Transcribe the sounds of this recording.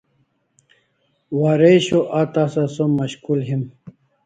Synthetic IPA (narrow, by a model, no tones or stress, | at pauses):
waɾeɕoʔat̪asasomːɐɕkulɦim